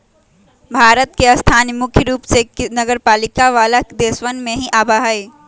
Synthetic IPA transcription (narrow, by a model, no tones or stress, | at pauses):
bʱaːɾət̪̚keɐst̪ʰaːnmʊkʰjəɾuːpseknɐɡəɾpaːlɪkaʋaːlakd̪eːswənmẽɦiʔaːbaɦae